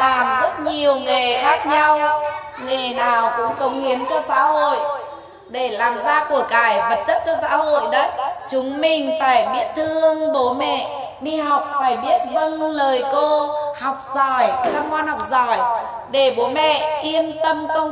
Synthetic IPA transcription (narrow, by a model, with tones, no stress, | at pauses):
laː˨˩mzə˦˥t̚ɲi˨˩əwŋe˨˩xaː˦˥k̚ɲa˧w | ŋe˨˩naː˨˩wkʊ̰˧˥ŋ͡mkə˨˦wŋ͡mhi˨˦ənt͡ɕɔ˧sa̰ː˧˥ho̰˧˨j | ɗe˧˩laː˨˩mzaː˧ku˧˩əkaː˧˩jɓə˨˩t̚t͡ɕə˦˥t̚t͡ɕɔ˧sa̰ː˧˥ɦho̰˧˨jɗə˨˦j̚t͡ɕʊ˨˦ŋ͡mmï˨˩ŋ̟faː˧˩jɓi˦˥ət̚t̪ʰɨ˧əŋɓo˨˦mɛ̰˧˨ | ɗi˧ɦa˨˩wk͡p̚faː˧˩jɓi˦˥ət̚və˧nləː˨˩jko˧ha˨˩wk͡p̚zɔ˧˩jt͡ɕa˧ŋ͡mkwaː˧nha˨˩wk͡p̚zɔ˧˩j | ɗe˧˩ɓo˨˦mɛ̰˧˨ki˧ənt̪ə˧mkə˧w